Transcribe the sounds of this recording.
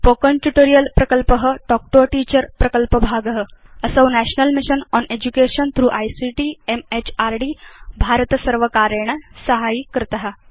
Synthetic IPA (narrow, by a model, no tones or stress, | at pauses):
pokənʈjuʈoɾijəlpɾəkəlpəɦəɖɔk̚ʈoʈiːt͡ɕəɾpɾəkəlpəbʱaɡəɦə | əsəwnæɕnəlmiɕənɔned͡ʑukeɕənt̪ʰɾuːʔajsiʈiemet͡ɕaɾɖiːbʱaɾt̪əsəɾʋəkaɾəɳ̃əsəɦaikəɾt̪aɦa